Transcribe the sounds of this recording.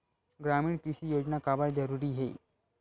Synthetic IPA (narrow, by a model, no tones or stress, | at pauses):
ɡɾamiːɳkɾiʃijod͡ʑnakabəɾd͡zəɾuːɾiɦḛ